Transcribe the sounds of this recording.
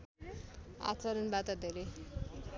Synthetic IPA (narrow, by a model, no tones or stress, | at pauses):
a̰t͡sʌɾʌnbat̪ʌd̪ʱeɾe